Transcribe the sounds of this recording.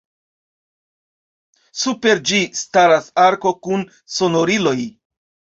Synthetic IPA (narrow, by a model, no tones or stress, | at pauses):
supe̞ɾd͡ʒistaɾasaɾko̞kun | so̞no̞ɾilo̞j